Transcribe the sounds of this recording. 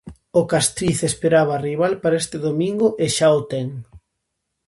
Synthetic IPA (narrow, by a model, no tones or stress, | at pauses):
okast̪ɾiθespeɾaβariβ̞alpaɾaest̪eðomĩŋɡʊʔeʃaot̪eŋ